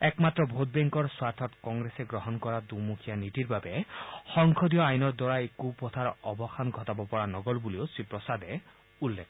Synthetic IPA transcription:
ɛkmat̪ɹɔbʱot̪̚beŋkɔɾswaɾt̪ʰɔtkɔŋɡɾeseɡɾɔɦɔnkɔɹad̪umukʰijanitiɾbabexɔŋkʰɔd̪ijɔajnɔɾd̪wɔɹaekupɔt̪ʰaɾɔbɔxanɡʱɔt̪abɔpɔɹanɔɡɔlbuliosipɹɔsad̪ɛ | ulːekʰɔ

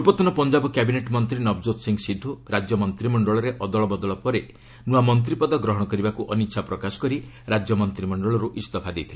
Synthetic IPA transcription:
upɔt̪ɔnɔpɔnd͡ʒabɔkjabineʈmɔnt̪ɾinɔbd͡ʒot̪siŋɡsid̪ʱːuɾad͡ʒjɔmɔnt̪ɾimɔɳɖɔɭɔɾeʔɔd̪ɔɭɔbɔd̪ɔɭɔpɔɾe | nuamɔnt̪ɾipɔd̪ɔɡɾɔɦɔɽɔkɔɾibakuʔɔnitːʃʰapɾɔkasɔ̥kɔɾi | ɾad͡ʒjɔmɔnt̪ɾimɔɳɖɔɭɔɾuʔist̪ɔpʰad̪ejt̪ʰile

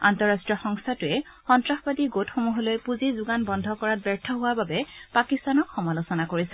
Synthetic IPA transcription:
antɔɹastɹiɔxɔŋstʰatʊɛ | xɔntɹaxbadiɡotxomuɦɔlojpuzizʊɡanbɔndʱɔkɔɹat̚bɛɹtʰɔɦʊwaɹbabɛpakistanɔkxɔmalosɔnakoɹisɛ

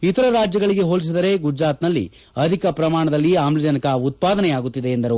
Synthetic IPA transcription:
it̪ɐɾɐɾaːd͡ʒjɐɡɐɭiɡe̞ɦoːlis̬id̪ɐɾe̞ɡud͡ʒɾaːt̪nɐlːḭ | ɐd̪ʱikɐpɾɐmaːɳɐd̪ɐlːiaːmlid͡ʒɐnɐkɐut̪̚paːd̪ɐnɛjaːɡut̪ːid̪e̞ːnd̪ɐɾu

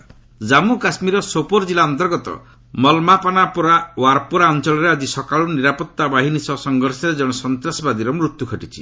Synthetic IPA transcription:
d͡ʒamukasmiɾɔsopoɾd͡ʒilaɔnt̪ɔɾɡɔt̪ɔ̰ | mɔlmapanapɔɾawaɾpuɾaɔnt͡ʃɔɭɔɾead͡ʒisɔkaɭuniɾapɔt̪ːabaɦinisɔsɔŋɡɔɾsɔɾed͡ʒɔɽ̃ɔsɔnt̪ɾasɔbad̪iɾɔmɾut̪jukʰɔʈit͡ʃʰi

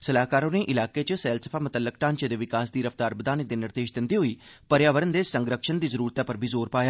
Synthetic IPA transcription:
səlaːkaːɾoːneːʔɪlaːkeːt͡ʃsɛːlsəpʰaːmʊt̪əlːək̚ʈaːnt͡ʃed̪eːʋɪkaːsd̪iːɾəft̪aːɾbəd̪aːnekd̪eːnɪɾd̪eːʃd̪ɪnd̪iːɦoiːpəɾjaːʋəɾənd̪eːsəŋɡɾəkʃənd̪iːzəɾuːɾt̪aːpəɾbʱiːzoːɾpaːjaː

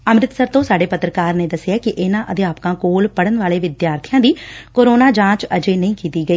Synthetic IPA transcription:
əmɾɪt̪səɾt̪õːsaːɖeːpət̪ɾəkaːɾneːd̪əsɪaːkɪʔɪnãːʔəd̪eːaːpkãːkoːlpəɽənʋaːleːʋɪd̪jaːɾt̪ʰijãːd̪iːkoːɾoːnaːd͡ʒãːt͡ʃəd͡ʒeːnəĩːkiːt̪iːɡəiː

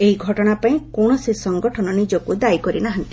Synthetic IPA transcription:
eɦiɡʱɔʈɔɽ̃apaĩkɔɳ̃ɔsisɔŋɡɔʈʰɔnɔnid͡ʒɔkud̪ajkɔɾinaɦant̪i

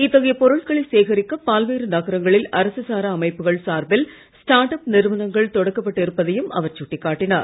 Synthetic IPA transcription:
ɪt̪ːɐɣɐjɐpɔɾɯɭkɐɭɪseːɣɐɾɪkːɐpːaːlʋeːɾɯnɐɣɐɾɐŋɡɐɭɪlʔɐɾɐsɯsaːɾɐːmɐɪpːɯɣɐɭsaːɾbɪl | sʈaːɾʈɐpnɪɾʋɐnɐŋɡɐɭt̪ɔɽɐkːɐpːɐʈːɪɾɯpːɐðɐjɯmɐ̰ʋɐɾt͡ʃʊʈːɪkːaːʈːɪnaːɾ

